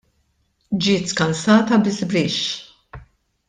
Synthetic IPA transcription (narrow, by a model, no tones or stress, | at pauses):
d͡ʒɪːt̪kɐnsɐːt̪ɐbɪzbɾɪːʃ